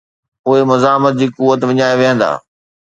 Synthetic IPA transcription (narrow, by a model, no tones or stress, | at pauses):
poːɪmɐzaːmət̪̚d͡ʑiːkuːʋət̪ʋɪɲaːeʋeɦə̃nd̪a̰ː